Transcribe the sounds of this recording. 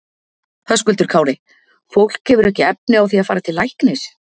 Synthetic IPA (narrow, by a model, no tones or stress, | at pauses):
θœskʏlt̪ʏɾ̥kʰaːwɾɪ | fowl̥khɛvʏɾɛhcɪɛp̚nɪawθiaðfaːɾat̪ʰɪlːajhknɪs